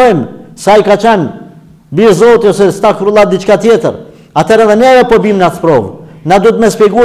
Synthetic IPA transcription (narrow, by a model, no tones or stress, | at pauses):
ɔmsajkat͡ʃɛn | biɾzɔlˠt̪jɔsɛst̪akɾulˠad̪it͡ʃkat̪jɛt̪əɾ | at̪ʰɛɾɛðɛnɛvɛpɔbimnat̪pɾɔvnad̪ut̪mɛspɛɡu